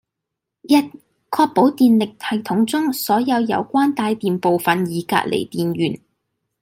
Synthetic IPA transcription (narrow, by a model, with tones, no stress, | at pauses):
jɐ˧˥t̚ | kʰɔː˧k̚po˨˥wt̪iː˨nlɪ˨k̚t̪ʰɐ˨˩jt̪ʰʊ˨˥ŋt͡sʊ˥ŋsɔː˨˥jɐ˨˧wjɐ̰˨˧wkʷaː˥nt̪aː˧jt̪iː˨mpo˨wfɐ˨njiː˨˧ka̰ː˧t̚lʔḛ˨˩jt̪iː˨nɥyː˨˩n